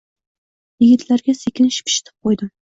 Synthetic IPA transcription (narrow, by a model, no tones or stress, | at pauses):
jɪɡʲɪt̪ʰlaɾɡʲasekʲʰɪnʃɪ̥pʰɪ̥ʃɪ̥t̪ʰɪ̥p̚qʰojd̪ɪm